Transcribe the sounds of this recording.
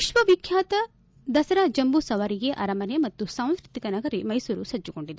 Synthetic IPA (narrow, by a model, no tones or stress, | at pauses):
iʃʋɐʋikʰjaːt̪ɐ | d̪ɐsɐɾaːd͡ʒɐmbusɐʋɐɾiɡe̞ʔɐɾɐmɐnjemɐt̪ːusaːm̃skɾit̪ikɐnɐɡɐɾimɐjsuːɾusɐd͡ʒːuɡo̞ɳɖid̪e